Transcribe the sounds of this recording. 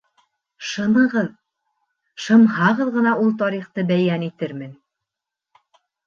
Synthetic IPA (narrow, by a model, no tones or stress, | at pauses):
ʃɤ̆mɤ̆ʁɤð | ʃɤ̆mɦɑʁɤðʁɤ̆n̪ɑʔulˠt̪ɑɾiχt̪ɤbæjænit̪ɘɾmɘn